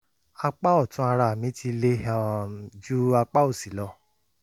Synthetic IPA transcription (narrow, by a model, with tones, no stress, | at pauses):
a˧k͡pa˦ɔ˦˨tũ˨˦a˧ɾa˧˨mĩ˨˦ti˧le˦a˧d͡ʒu˦a˧k͡pa˦o˦˨si˨˦lɔ˧